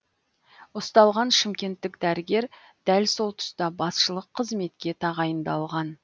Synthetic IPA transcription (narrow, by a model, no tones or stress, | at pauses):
ost̪ɑlˠʁɑnʃɪmkʲe̞nt̪ːɪkd̪æɾɪɡʲe̞ɾ | d̪̥ælso̞lˠt̪ʰʊ̥st̪ɑbɑsʃəlˠəqʰːəzme̞t̪kʲe̞t̪ʰɑʁɑjənd̪ɑlˠʁɑn